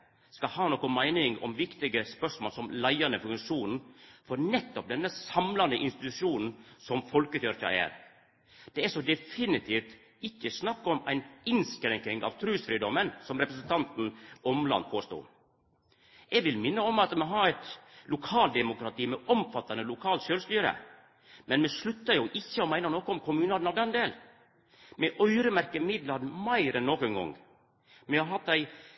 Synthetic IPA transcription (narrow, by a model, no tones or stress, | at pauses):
skɑhɑːnɔkːɔmæɪnɪŋɔ̰mʋɪkt̪ɪɡəspœʂmoːlsɔmlæɪɑnəfʉŋʂuːnn̩fɔɾnɛt̪ːɔp̚d̪ɛnːəsɑmlɑnd̪əʔɪnst̪ɪt̪ʉʂuːnn̩sɔmfɔlkət̪œɾçɑ̰æ̰ːɾ | d̪̥ɛæʂɔd̪ɛfɪnɪt̪ʰiːft̪ | ɪkːəsnɑkːɔmæɪnɪnskɾɛŋknɪŋɑ̰ʋt̪ʰɾʉːsfɾiːd̪ɔmːənsɔmɾɛpɾəsnt̪ʰɑnt̪n̩ɔmlɑ̰npʰoːst̪o̰ː | ʔɛɡʋɪlmɪnːəɔmɑt̪mɛɦɑɾɛt̪lʊkʰɑːlt̪d̪ɛmʊkɾɑt̪ʰiːmɛʔɔmfɑt̪ːɑnəlʊkʰɑːlt̪ʃøːlst̪yːɾə̰ | mɛnmɛʂlʉt̪ːɑjʊʔɪçːəɔmæɪnənoːkɔɔmkʰʊmʉːnɑdnɑd̪ɛnd̪eːl | mɛʔœʏɾəmæɾkəmɪd̪lɑnmæɪɾɛnːoːkɛŋɡɔ̰ŋ | mɛhɑɾɦɑt̪ːæɪ